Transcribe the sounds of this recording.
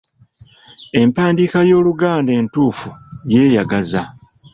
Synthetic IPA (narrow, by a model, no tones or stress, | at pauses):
e̞mpaːndikajo̞ːluɡaːnde̞ːntuːfuje̞ːjaɡaza